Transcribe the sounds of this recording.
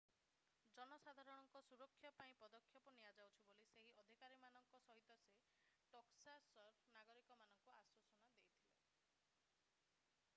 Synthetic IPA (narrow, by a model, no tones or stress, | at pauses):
d͡ʒɔnɔsad̪ʱaɾɔɽ̃ɔŋkɔsuɾɔkʰːjɔpaĩpɔd̪ɔkʰːjɔpɔnijad͡ʒawt͡ʃʰiboliseɦiɔd̪ʱikaɾimanɔŋkɔsɔɦit̪ɔse | ʈoksasɔɾpʰnaɡɔɾikɔmanɔŋkuaswɔsɔnad̪ejt̪ʰibe